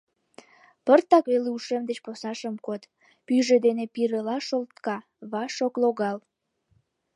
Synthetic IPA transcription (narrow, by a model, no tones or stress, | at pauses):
pərt̪ɑkβeleuʃemd̪et͡ɕposnɑʃəmkot̪ | pyʒed̪enepiɾəlɑʃolt̪kɑ | βɑʃokloɣɑl